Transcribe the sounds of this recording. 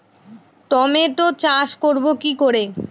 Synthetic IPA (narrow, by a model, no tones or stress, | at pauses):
ʈ̪ɔmet̪ot͡ɕaʃkoɾbokikoɾe